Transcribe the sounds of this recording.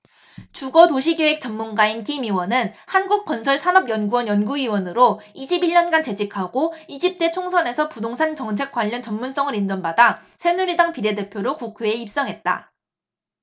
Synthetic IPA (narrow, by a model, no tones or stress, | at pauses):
t͡ɕuɡʌtoɕʰiɡewek̚t͡ɕ͈ʌmːunɡainkimiwʌnɯnhanɡuk̚k͈wʌnsʰʌɭsʰanʌbjʌnɡuʌnjʌnɡuiwʌnɯɾoiɕʰibiʎɲʌnɡant͡ɕe̞d͡ʑikʰaɡoid͡ʑip̚t͈e̞t͡ɕʰoŋsʰʌne̞sʰʌpudoŋsʰant͡ɕʌŋt͡ɕʰe̞k͈waʎːʌnt͡ɕʌnmuns͈ʌŋɯɾind͡ʑʌnbadasʰe̞nuɾidaŋpiɾe̞de̞pʰjoɾokukʰweːip̚s͈ʌŋɦe̞t̚t͈a̰